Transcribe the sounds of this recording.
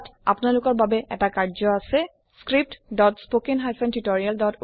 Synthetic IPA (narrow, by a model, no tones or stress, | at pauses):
ta̰pʊnalʊkɔɹbabɛʔɛ̰takaɹzɔasɛ | skɹip̚tdɔtspokinɦajsɛntutoɹialdɔt